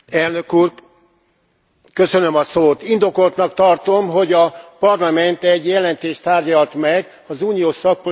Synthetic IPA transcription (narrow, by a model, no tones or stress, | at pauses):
ɛlnø̞kuːr | kø̞sønømɒsoːt̪ind̪o̞ko̞lt̪nɒkt̪ɒrt̪o̞mɦo̞ɟɒpɒrlɒmɛnt̪ɛɟjɛlɛnt̪eːʃt̪aːrɟɒlt̪mɛɡ | ɒzuːnijoːʃsɒk̚po